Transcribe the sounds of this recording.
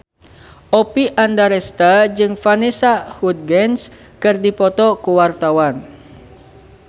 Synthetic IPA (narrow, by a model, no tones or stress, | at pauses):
ʔopiʔandaɾɛst̪ad͡ʒɨŋfanesahut̪̚ɡɛns | kɨrdipɔt̪ɔkuwart̪awan